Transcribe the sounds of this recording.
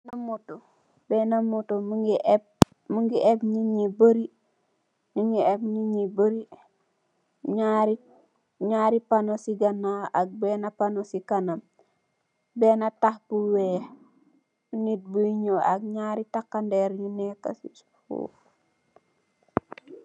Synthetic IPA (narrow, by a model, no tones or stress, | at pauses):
namuto | benamutomuɡib̚ | muŋɡiʔebɲiɲibəɾi | ɲuŋɡiebɲiɲibəɾi | ɲaɾi | ɲaːɾipanosiɡanːaak̚beːnapanosikanam | beːnatahbuwe | nit̚buiɲoʔak̚ɲaːɾitakːandeɾɲineka̰sit | fṵ